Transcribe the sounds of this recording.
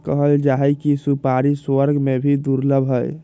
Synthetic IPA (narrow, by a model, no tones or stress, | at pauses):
kəɦəld͡ʒaɦɛkisupaɾiswəɾɡʱmebʱid̪uɾləbʱɦəj